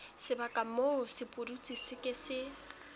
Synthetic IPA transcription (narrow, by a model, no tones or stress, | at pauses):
sɪbakʼamosɪpʼʊrut͡sʼisɪkʼɪsɪ